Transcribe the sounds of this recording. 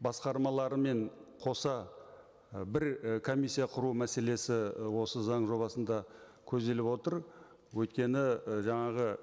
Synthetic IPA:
bɑsqɑɾmɑlˠɑɾəme̞ɴqʰo̞sɑ | bɪɾkʰo̞mijsːijɑqʰʊɾumæse̞le̞sɪwo̞səzɑɴʒo̞βɑsənd̪ɑ | kʲʰɵzd̪e̞lɪpwo̞t̪əɾ | wɵjt̪kʲe̞nɪʒɑɴɑʁə

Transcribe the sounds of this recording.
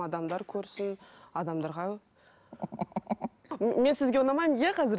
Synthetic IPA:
ɑd̪ɑmd̪ɑɾkʲʰɵɾsɪnɑd̪ɑmd̪ɑɾʁɑ | me̞nsɪzɡʲeonɑmɑjjaqʰɑzɪɾ

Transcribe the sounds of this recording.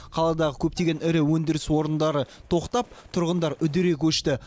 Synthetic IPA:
qʰɑlˠɑd̪ɑʁəkʲʰɵp̚t̪e̞ɡʲenɪɾɪwɵnd̪ɪɾɪswo̞ɾənd̪ɑɾət̪ʰo̞qt̪ɑp̚t̪ʰʊɾʁənd̪ɑɾʏd̪ɪɾe̞kʲʰɵʃt̪ɪ

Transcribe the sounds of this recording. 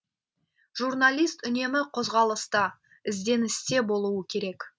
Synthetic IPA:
ʒurnalʲˠijst̪ʏne̞mɪqʰo̞zʁɑlˠəst̪ə | ɪzd̪e̞nɪst̪e̞bo̞lˠuəkʲʰe̞ɾe̞k

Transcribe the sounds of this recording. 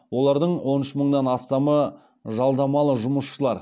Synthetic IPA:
wo̞lˠɑɾd̪əɴwo̞nɪʃəməɴd̪ɑnɑst̪ɑmə | ʒɑlˠd̪ɑmɑlˠəʒʊməsʃəlˠɑɾ

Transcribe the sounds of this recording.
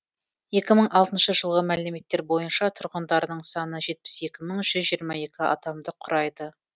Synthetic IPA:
je̞kʲɪməɴʔɑlˠt̪ənʃəʒəlˠʁəmæle̞me̞t̪ːe̞ɾbo̞jənʃɑt̪ʰʊɾʁənd̪ɑɾənəɴsɑnəʒe̞t̪̚pɪ̥se̞kʲɪməɴʒ̥ʏzʒijəɾmɑje̞kʲɪɑ̰d̪ɑmd̪əqʰʊɾɑjd̪ə

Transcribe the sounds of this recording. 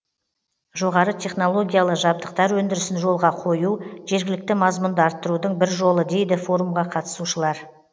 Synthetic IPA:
ʒo̞ʁɑɾət̪ʲʰe̞χno̞lˠo̞ɡʲijalˠəʒɑb̚d̪əqt̪ɑɾwɵnd̪ɪɾɪsɪnʒo̞lˠʁɑqʰo̞juʒe̞ɾɡʲɪlɪk̚t̪ɪmɑzmʊnd̪əɑɾt̪ːəɾud̪əɴbɪɾʒo̞lˠəd̪e̞jd̪ɪfo̞ɾumʁɑqʰɑt̪ə̥suʃəlˠɑɾ

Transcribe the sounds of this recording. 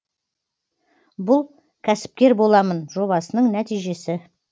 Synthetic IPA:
bʊlˠ | kʲʰæsɪ̥p̚kʲe̞ɾbo̞lˠɑmənʒo̞βɑsənəɴnæt̪ijʒe̞sɪ

